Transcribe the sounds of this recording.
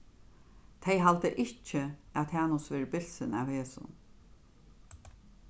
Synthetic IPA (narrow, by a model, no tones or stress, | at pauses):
t̪ʰɛjɦalt̪əʔɪt͡ʃɪaðt̪hɛːnʊsʋɛːɾəbɪl̥sɪna̰wheːsʊ̰n